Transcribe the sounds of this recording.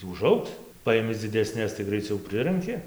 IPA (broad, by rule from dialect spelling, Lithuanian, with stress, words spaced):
ʊˈʒɐʊks ˈpɐɪmʲɪ d͡zʲɪdʲɛˈsʲnʲɛs tɐɪ ɡrɐɪˈt͡sʲɛʊ ˈpʲrʲɪrɐŋʲkʲɪ